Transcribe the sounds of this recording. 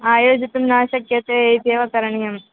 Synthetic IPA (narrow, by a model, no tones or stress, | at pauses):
aːjoːd͡ʒit̪ːumnaːʃɐkjɐt̪eejt̪eːʋɐkɐɾɐɳijɐm